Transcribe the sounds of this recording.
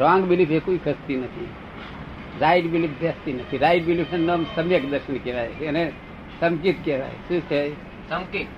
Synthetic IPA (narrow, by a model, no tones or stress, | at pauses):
ɾãŋɡbilipʰekuikʰəst̪inət̪ʰḭ | ɾaiɖbilip̚ʰbʱəst̪inət̪ʰiɾaiɖbilipʰenəmsəbjekd̪əɾsʰinkeɾajɦene | səmkit̪keɾa̰j̰sisej | səmkit̪